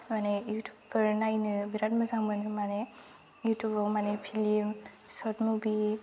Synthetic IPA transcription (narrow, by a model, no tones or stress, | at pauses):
manejutubpəɾnajnɯbiɾat̚mazaŋbɯnɯmane | jutubɔmanepʰilim | sɔtmubi